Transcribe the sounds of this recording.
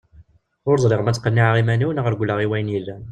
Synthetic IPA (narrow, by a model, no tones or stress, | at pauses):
ʊɾzˤɾɪʁmæt͡sːqːənːiʕʁimæniwnəʁəɾɡʷləʁiwæjənjəlːæ